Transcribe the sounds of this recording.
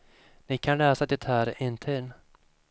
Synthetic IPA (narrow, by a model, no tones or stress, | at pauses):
nɪkʰanlɛːsad̪ɛt̪hæːɾɪnt̪ʰiːn